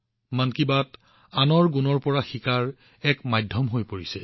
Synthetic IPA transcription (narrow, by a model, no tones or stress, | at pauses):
mankibat | anɔɹɡunɔɹpɔɹaxikaɹ | ɛkmajdʱːɔmɦojpoɹisɛ